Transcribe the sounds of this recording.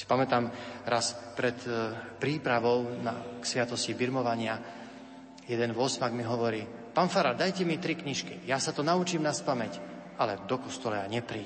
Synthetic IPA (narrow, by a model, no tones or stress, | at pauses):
i̥pamɛt̪aːmɾaspɾɛt̪pɾiːpɾaʋɔʊna̰ksʋɪat̪ɔscibiɾmɔʋaɲɪa | jɛd̪ɛnʋɔsmaɡmiɦɔʋɔɾiːpaːnfaɾad̪ajcɛmit̪ɾikɲiʃkḭjasat̪ɔnaut͡ʃiːmnaspamɛcʔalɛd̪ɔkɔst̪ɔlaaɲɛpɾiː